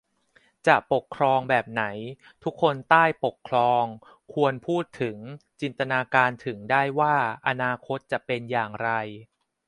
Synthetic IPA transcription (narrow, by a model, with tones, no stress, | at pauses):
t͡ɕa˨˩ʔpo˨˩kʰːɾɔː˧ŋbɛː˨˩p̚na˩˦j | t̪ʰu˦˥kʰːo˧nt̪aː˥˩jpo˨˩kʰːlɔː˧ŋ | kʰu˧ənpʰuː˥˩t̪ʰːɯ˩˦ŋt͡ɕi˧nt̪a˧naː˧kaː˧nt̪ʰɯ˩˦ŋdaː˥˩jwaː˥˩ʔa˧naː˧kʰo˦˥t̪̚t͡ɕa˨˩ʔpe˧njaː˨˩ŋɾa˧j